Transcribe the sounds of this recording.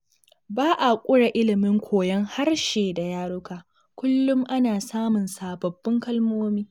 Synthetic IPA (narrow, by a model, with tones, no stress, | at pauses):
baː˦ʔa˨kʷʼʊ˦ɽa˨ʔɪ˦lɪ˨mɪ˦ŋkʷʰoː˨jɐ˦ŋha˦rʃeː˨da˨jaː˦ɽʊ˦kaː˨ | kʷʊ˦lːʊ˦mʔa˦naː˨saː˦mʊ˨nsaː˨bɐ˨bːɐ˦ŋkɐ˦lmoː˦miː˦